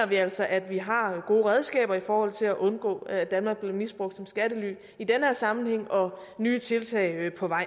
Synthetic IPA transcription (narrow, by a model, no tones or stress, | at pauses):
ɐʋiæl̰sɒ̽ʔæd̥ʋiɦɑ̈ɡ̥o̝ːʁɛð̞ˠsɡ̥ɛ̰ːb̥ɐifɒːhɒ̽l̰t͡sʰe̝læʔɔ̽nɡ̥ɔ̰̽ːæd̥ænmɑ̈ːɡ̚b̥le̝misb̥ʁɔɡ̥̚d̥sɒ̽msɡ̥æd̥əly̰ː | id̥enheɐ̰sɑ̈mn̩heŋ̰ɒ̽ | nyːət͡sʰe̝lt͡sʰɛɪpʰɒ̽ʋɑ̈ɪ̰